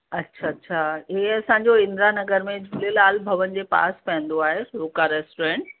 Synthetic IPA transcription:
ɐtːɕʰatːɕʰaːiɐsãːɲd͡ʑoɪ̃nd̪ɾanɐɡəɾmẽd͡ʑʱulelaːlbʱɐʋən̆d͡ʑeːpa̰ːspɐ̃ɦə̃nd̪oaːɦeloːkaɾɛːsʈoɾẽːɳʈ

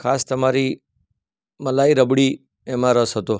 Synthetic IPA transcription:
kʰast̪əmaɾi | məlaiɾəbɽi | emãɾəsɦət̪o

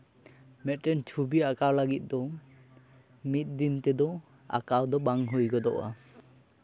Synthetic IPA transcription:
mɛtɾɛnt͡ʃʰubiakawlaɡit̪̚ˀd̪ɔ | mit̪̚d̪int̪ɛd̪ɔ | a̰kawd̪ɔbaŋɦujɡɔd̪ɔʔa̰

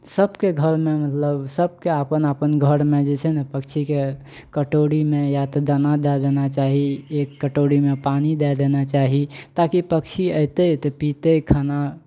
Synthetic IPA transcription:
səbkeɡʱəɾmemət̪ləbsəb̚keəpənəpənɡʱəɾmed͡ʒet͡ʃʰɛnɛpəkt͡ʃʰike | kəʈoɽimejat̪ɔd̪ənad̪ɛd̪enat͡ʃaɦiekːəʈoɽimepanid̪ɛd̪enat͡ʃaɦit̪akipək̚t͡ʃʰiəjt̪əjt̪əpit̪əkʰəna

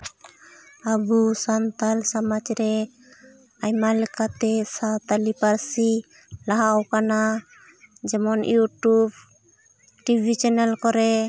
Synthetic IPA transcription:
abusant̪alsamad͡ʒɾɛ | ajmalɛkat̪ɛsat̪alipaɾsi | laɦawkana | d͡ʒɛmɔnjuʈub | ʈibʱit͡ʃɛnɛlkɔɾɛ

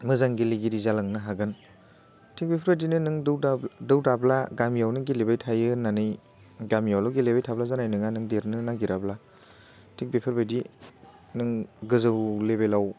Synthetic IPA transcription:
mɯzaŋɡiliɡiɾizalaŋnɯɦaɡɯn | tʰik̚bepʰaɾbajdinɯnɯŋdɯwdadɯwdablaɡamijawnɯɡilebajtʰajɯnanɯj | ɡamijawlaɡilebajtʰablazanajnɯŋanɯŋdeɾnɯnaŋɡiɾabla | tʰik̚bepʰɯɾbajdi | nɯŋɡɯzɯwlebelaw

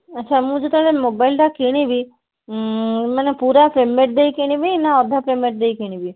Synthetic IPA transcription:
ətːʃʰamũd͡ʒet̪aɽemobaɪlɖakeɽ̃ibi | manepuɾapɾemːeʈ̚d̪ejkeɽ̃ĩbinaɔd̪ʱapɾemeʈ̚d̪ejkiɽ̃ibi

